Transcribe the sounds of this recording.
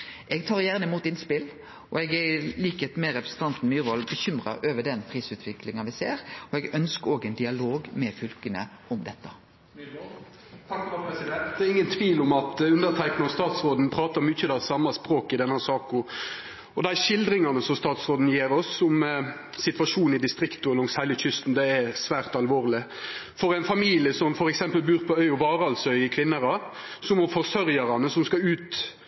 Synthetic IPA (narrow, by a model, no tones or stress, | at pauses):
ɛɡt̪ʰɑːʁjæːʁnəɪmuːt̪ɪnspɪl | ʔɔɛɡɛliːkət̪mɛɾɛpɾəsn̩t̪ʰɑnt̪n̩myːɾʋɔlbəçʏmɾɑ̰ʔøːʋəɖɛnpʰɾiːsʉːt̪ʰʋɪklɪŋɑnʋɪseːɾɔɛɡœnskəoːɡɛnd̪ɪɑloːɡmɛfʏlkənə̰ʔɔmd̪ɛt̪ːɑ | t̪ʰɑkɑpʰɾɛsɪd̪ɛnt̪d̪ɛɪŋːənt̪ʰʋiːlɔmɑt̪ʉnd̪ət̪ʰæɪknɪɑst̪ɑːt̪sɾoːd̪n̩pʰɾɑːt̪ɑɾmyːçəd̪æsɑmːɑspɾoːkɪd̪ɛnːhæsɑːkɔ | ɔd̪ɛæʃɪld̪ɾɪŋɑnəsɔmst̪ɑːt̪sʁoːd̪n̩jeːɾɔsːɔm | sɪt̪ʋɑʂuːn̩ɪd̪ɪst̪ɾɪkt̪ʊlɔŋshæɪləçʏst̪n̩d̪ɛɛsʋæːʁt̪ɑlʋoːʁlɪ | fɔɾæɪnfɑmiːlɪəsɔmfɔɾɛksɛmpəlbʉːʁpʰɔœʏɔʋɑːɾəɑlsœʏɪkʰʋɪnːəɾɑ | sɔmɔfɔʁsœɾjɑɾɑnəsɔmskɑʉːt̪